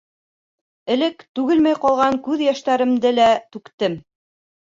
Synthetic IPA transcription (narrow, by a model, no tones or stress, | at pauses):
ɘ̆lɘkt̪ʉɣɘlmæjqɑlˠʁɑŋkʉðjæʃt̪æɾɘ̆md̪ɘlæt̪ʉkt̪ɘm